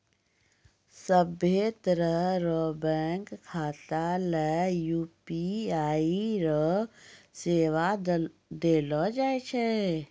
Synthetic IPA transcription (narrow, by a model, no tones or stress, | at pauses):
səbet̪əɾəɾɔːbɛ̃ːŋkʰːaːt̪alɛjuːpiaːiɾɔ | seːʋad̪eːlɔd͡ʒaːet͡ʃʰɛ